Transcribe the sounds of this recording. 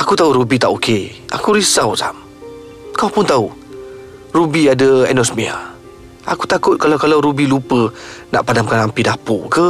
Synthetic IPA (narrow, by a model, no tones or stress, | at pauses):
akut̪auɾubit̪aʔoke | ʔa̰kuɾisawsam | kawpʊnt̪au | rubiadəɛ̰nɔsmia̰ | ʔakut̪akʊt̪̚kalawkalawɾubilupəna̰ʔpadamkanampidapo̰kə